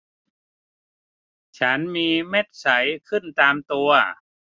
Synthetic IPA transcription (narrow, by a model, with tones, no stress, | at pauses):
t͡ɕʰa˦˥nmiː˧me˥˩t̪̚sa˩˦jkʰɯ˥˩nt̪aː˧mt̪u˧ɐ